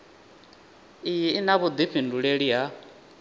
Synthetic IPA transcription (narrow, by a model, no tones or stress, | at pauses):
ijiinaβud̪iɸʰinduɺeɺiɦa